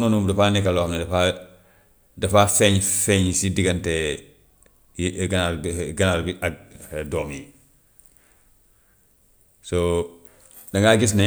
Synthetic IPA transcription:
nunumdɐfaːnikalɔːhamnɛdɐfa | dɐfafɛɲfɛɲsidiɡɐntɛ | ɡɐnalɡɐnalbiʔadɔːmji | so | dɐŋɡaɡis̬na

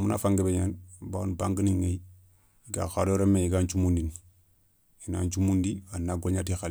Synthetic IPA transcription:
muna̰faŋɡebeɲanbanbaŋɡəniŋej | iɡa̰xaɾoɾemeiɡaɲt͡ʃumundini | ina̰ɲt͡ʃumundianːaɡoɲatixal

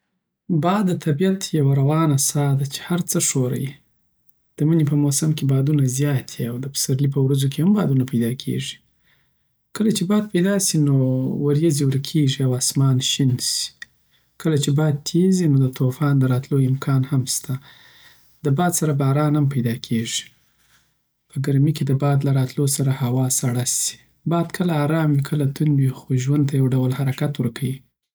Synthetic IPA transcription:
bɑd̪ət̪ʰabijat̪jawaɾawɑnasɑd̪at͡ʃe̥haɾt͡səʂoɾa̰ji | d̪̥əmənepəmosamkebɑd̪unazjɑt̪ʰiawd̪əpə̥saɾlip̬əwɾazok̬ehambɑd̪unapajd̪ɑkʰḛʐi̥ | kəlat͡ʃebɑd̪̚pajd̪ɑsinowaɾjaziwəɾkʰeʐiawɑsmɑnʃinsi̥ | kəlat͡ʃebɑd̪̚t̪ʰezinod̪ət̪ofɑnd̪əɾɑt̪loɪmkʰɑnhamst̪a | d̪əbɑd̪saɾabɑɾɑnhampajd̪ɑkʰeʐi̥ | pəɡaɾmiked̪əbɑd̪laɾɑt̪losaɾahawɑsaɽasi̥ | bɑd̪kʰəlaːɾɑmwikʰəlat̪unwixoʒwand̪t̪ajawɖawlhaɾakat̪wəɾkʰawi

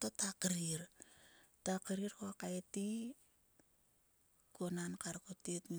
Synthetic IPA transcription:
totakɾiɾ | takeɾiɾkoakaeti | konankaɾkotetmi

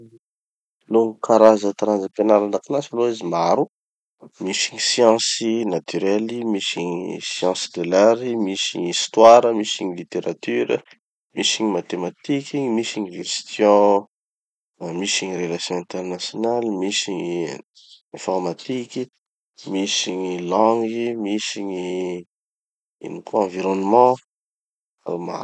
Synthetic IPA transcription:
loŋkaɾazət̪ɾanzəpenaɾanakanasaloizimaɾu | misiɲisjɑ̃sinat̪yɾɛlimisiɲisjɑ̃sid̪elaɾimisiɲist̪waɾəmisiɲilit̪eɾat̪yɾə̰ | misiɲimat̪emat̪ikimisiɲiʒest̪ʰjɔ̃ | misiɲirelasjɔ̃ɛ̃t̪ernasjonalimisiɲ | ɛ̃fɔɾmat̪ikʲi | misiɲilɑ̃ŋɡimisiɲi | ḭnikuɑ̃viɾonmɑ̃ | ama̰

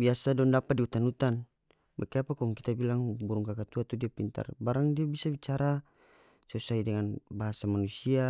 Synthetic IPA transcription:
biasadɔndapat̪̚diut̪anut̪an | bakɛapakɔŋkit̪abilaŋbuɾuŋkakat̪uat̪udiapint̪a̰rbaɾaŋdiabisabit͡ʃaɾa | susaidɛŋanbaɦasamanusia

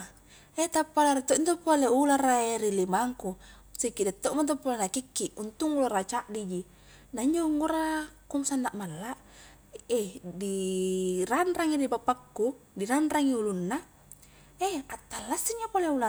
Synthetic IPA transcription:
et̪apːalaɾit̪ːoʔint̪opːoleularaeɾilimaŋku | sikːidat̪ːoʔmant̪̬opːolenakikːiʔunt̪uŋularat͡ʃaʔdid͡ʒi | naiɲd͡ʒoŋɡoɾakumsanːaʔmalːa | edi | ɾanraŋidibapakːu | diɾanraŋiulunːa | eat̪ːalːasːiɲːapoleula

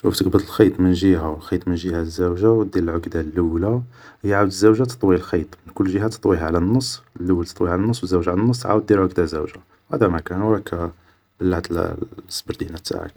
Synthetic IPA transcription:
æft̪əqbəd̪əlxɑjt̪ˤmənʒiɦalxit̪ˤmənʒihæzːæwʒawd̪iɾəlʕʊɡd̪alːuwlajʕawd̪əzːəwʒat̪ə̥t̪ˤwilxit̪ˤmənkʊlːʒiɦæt̪ə̥t̪ˤwiɦaʕlænːəsˤːəlːuwːlt̪ət̪ˤwiʕlænːəsˤːwəzːəwʒaʕlænːəsˤːʕa̰wəd̪ːilʕʊɡd̪azuwʒa | whæ̰d̪æmækænwɾˤɑkʰæ | b̥əlːaʕd̪l̰sːbəɾd̪inæt̪ːa̰ʕə̰k̚

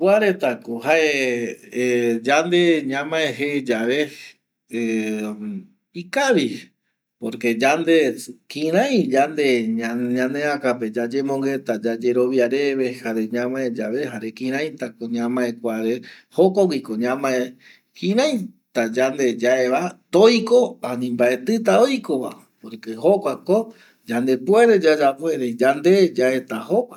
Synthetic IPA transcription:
kʷaɾe̞t̪akoɦaʔe | d͡ʒand̪eɲãmãeɦed͡ʒaʋe̞ | e | ikaʋi | poɾke̞d͡ʒand̪e̞kĩɾãj̃d͡ʒand̪e̞aɲãnẽakape̞d͡ʒad͡ʒemõŋɡe̞t̪ad͡ʒad͡ʒe̞ɾo̞βjaɾe̞βe̞haɾe̞ɲãmãẽd͡ʒaβe̞haɾekĩɾ̃ãj̃t̪akoɲãmãẽkʷaɾehokoɡiko̞ɲãmãe | kĩɾãj̃t̪ad͡ʒand̪e̞d͡ʒaeβat̪ojko̞anĩmbae̞t̪ɨt̪̬aojkoβa̰ | poɾkeho̞kʷako | d͡ʒand̪e̞pweɾe̞d͡ʒad͡ʒapwe̞ɾed͡ʒand̪e̞d͡ʒae̞t̪aho̞kʷa

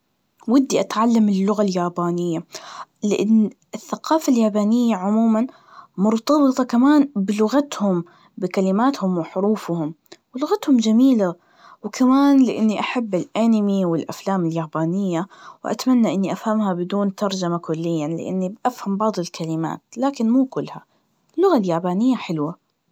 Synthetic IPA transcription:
wɪd̪ːiʔat̪ʕalːamɪlːʊɣaljaːbaːnɪjːalɪʔɪnː | ɪθːaqɑːfaljaːbaːnɪjːaʕʊmuːman | mʊɾˤt̪ɑbɨt̪ˤɑkamaːnbɪlʊɣat̪hʊm | bɪkalɪmaːt̪hʊmwɪħʊɾuːfhʊm | wɪlʊɣat̪hʊmd͡ʒamiːla | wɪkʰamaːnlɪʔɪnːiʔaħabːɪlʔanɪmiwɪlʔa̰flaːmɪljaːbaːnɪjːawʔa̰t̪amanːaʔɪnːiʔafhamhabɪd̪uːnt̪ɑɾˤd͡ʒamakʊlːɪjːanlɪ̰ʔɪ̰nːiʔafhambɑʕd̪ˤɪlkʰalɪma̰ːt̪laːkɪnmuːkʊlːha | ɪlːʊɣaljaːbaːnɪjːaħɪlwa

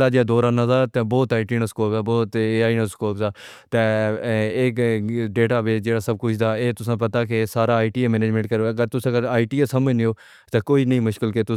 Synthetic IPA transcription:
laːd͡ʒaːd̪ɔːɾaːnãːzaːt̪ɛ̃ːbɔːt̪aːiʈiːnəskoːpaːbɔːt̪eaːiːnaskoːpsaː | t̪ɛːeːkɖeːʈaːbeːd͡ʒeːɽaːsəb̚kʊt͡ʃʰd̪aːeːt̪ʊsãːpət̪aːkesaːɾaːiːʈiːeːmɛːneːd͡ʒmẽɳʈkəɾoːəɡəɾt̪ʊsãːɡəɾaːiːʈiːesəməd͡ʒnɪoː | t̪eːkoːiːnəĩːmʊʃkɪlket̪ʊ

